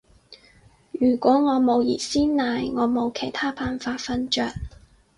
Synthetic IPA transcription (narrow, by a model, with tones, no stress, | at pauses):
jyː˨˩kʷɔː˨˥ŋɔː˨˧mo˨˧wjḭː˨˩tsiː˥nnaː˨jŋɔː˨˧mo˨˧wkʰe˨˩jt̪ʰaː˥paː˨˧nfaː˧t̚fɐ˧˥nt͡ʃœː˧˩k̚